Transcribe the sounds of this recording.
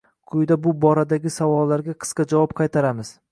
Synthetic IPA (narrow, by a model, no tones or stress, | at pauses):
qʰʊjd̪abʊbɒɾad̪aɡʲɪsavɒlːaɾɡʲaqʰɨ̥sqɑd͡ʒavɒp̚qʰɑjt̪ʰaɾamɪz̥